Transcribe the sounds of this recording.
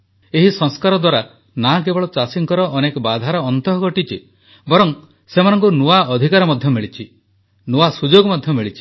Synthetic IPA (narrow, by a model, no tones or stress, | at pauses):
eɦisɔŋskaɾɔd̪waɾa | nak̬ebɔɭɔt͡ʃasiŋkɔɾɔʔɔnekɔbad̪ʱaɾɔɔnt̪ɔɦɔɡɔʈit͡ʃʰi | bɔɾɔŋ | semanɔŋkunuaɔd̪ʱikaɾɔmɔd̪ʱjɔmiɭit͡ʃʰi | nuasud͡ʒoɡmɔd̪ʱjɔmiɭit͡ʃʰi̥